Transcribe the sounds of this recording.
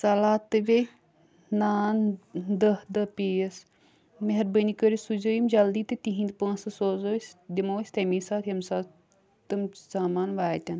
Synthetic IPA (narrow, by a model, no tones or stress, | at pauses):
sɐlaːt̪ːɨʋe | naːnd̪ɐhd̪ɐpiːɐs | meɦɐɾbənikəɾisuzəjimd͡ʒɐld̪iːt̪ɨt̪iɦĩnd̪pãːsɐsoːzoːsʲd̪imoːsʲt̪ɐmisaːt̪ʰjɐmsaː | t̪ɨmz̥aːmaːnʋaːt̪ʲɐn